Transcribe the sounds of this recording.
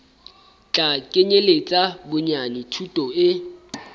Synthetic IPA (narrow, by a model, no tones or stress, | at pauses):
t͡ɬʼakʼeɲelet͡sʼabʊɲanɪtʰutʼɔɪ